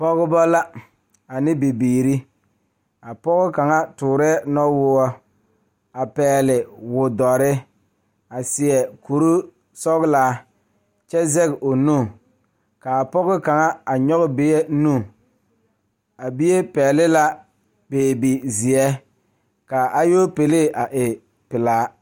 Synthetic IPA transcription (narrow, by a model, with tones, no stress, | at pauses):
pɔ˦ɣɪ˦bɔ˦la˦ | a˨nɪ˦bi˨biː˨ɾi˦ | a˨pɔ˦ɣɪ˦ka˨ŋa˦tʊː˨ɾɛ˦ɛ˦nɔ˦wʊ˦ɔ˦ | a˨pɛː˨lɪ˨wʊ˨dɔ˨ɾɪ˦ | a˨sɪ˨ɛ˨ku˨ɾu˦ | sɔ˦ɣlaː˦ | t͡ʃɛ˦zɛ˦ɡʔo˨nu˦˨ | ka˨pɔ˦ɣɪ˦ka˨ŋa˦a˨ɲɔ˦ɣɪ˦be˦jɛ˦nũ˦˨ | a˨bi˦je˦pɛː˨lɪ˦la˦ | peː˨bi˨zɪ˨ɛ˦ | ka˨ʔa˦joː˦pe˨le˦˨ʔa˨ʔɪ˨ | pɪ˨laː˦